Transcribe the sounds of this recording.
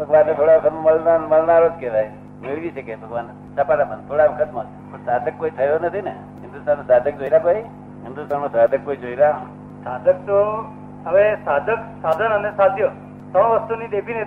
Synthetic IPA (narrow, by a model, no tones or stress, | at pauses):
bʱəɡʋanet̪ʰoɽaʋkʰəməlnanməlnaɾod͡ʒket̪ae | meɭʋit͡ʃʰəkebʱəɡʋan | səpaʈabənt̪ʰoɽaʋəkʰəsmot̪ | pəsad̪əkːoːit̪ʰəjɾonət̪ʰinḛ | ɦɪnd̪ust̪ʰanosad̪ʱək̚d͡ʒoiɾakoi | ɦɪnd̪ust̪anosad̪ʱəkːoid͡ʒoiɾa | sad̪ʱək̚t̪o | ɦəʋesad̪ʱəksad̪ʱənənesad̪ʱjo | sə̃ʋəst̪unid̪epʰine